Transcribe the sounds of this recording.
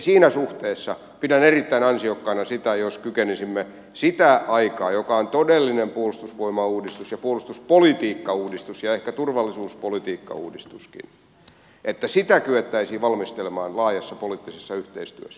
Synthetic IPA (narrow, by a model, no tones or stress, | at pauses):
siːnæsuht̪eːsːɑ | pidænerit̪ːæinɑnsiokːɑinɑsit̪æjoskykenisimːe | sit̪æʔɑikɑːjokɑont̪odelːinempuolust̪usʋoimɑuːdist̪usjɑpuolust̪uspolit̪iːkːɑuːdist̪usjɑehkæt̪urʋɑlːisuːspolit̪iːkːɑ̰ṵːdist̪uskḭn | ʔet̪ːæsit̪ækyet̪ːæisiːʋɑlmist̪elemɑːnlɑːjɑsːɑpoliˑt̪ːisesːɑyht̪eist̪y̰øsːæ̥